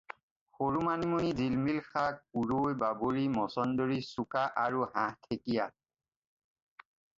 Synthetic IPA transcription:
xoɹumanimunizilmilxak̚puɹojbaboɹimɔsɔndoɹisukaʔaɹuɦãhtʰekija

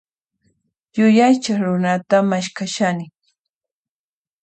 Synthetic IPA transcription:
jʊjajt͡ʃaχɾʊnat̪amaʃkaʃanɪ

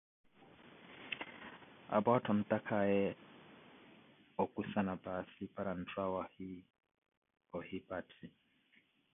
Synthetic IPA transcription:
a̰bɔtʰɔn̩takʰajɛ | ɔkusanabasipaɾan̩tʰwawahi | ɔhipatʰi

